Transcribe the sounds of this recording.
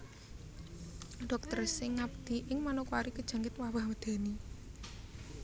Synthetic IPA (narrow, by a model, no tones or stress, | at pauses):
ɖ̥ɔk̚t̪ərsɪŋːab̚d̪̥i̤ʔɪŋmanukuaɾikəd̥ʒ̥a̤ŋɡɪt̪wawahməd̪̥a̤ni